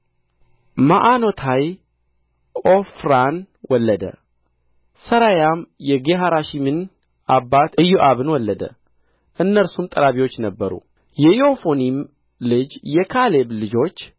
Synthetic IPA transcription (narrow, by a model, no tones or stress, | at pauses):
maʔano̞t̪ʰaj | ʔofɾan | wɔlːəd̪ə̰ | səɾajamjɛɡeɦaɾaʃimɨn | abːat̪ɨjːuʔaβɨnwɔlːəd̪ə̰ | ʔɨnːəɾsumt̪ʼəɾaβiwo̞t͡ʃːnəbːəɾṵ | jɛjo̞fonim | lɨd͡ʒjɛkʰaleβlɨd͡ʒo̞t͡ʃː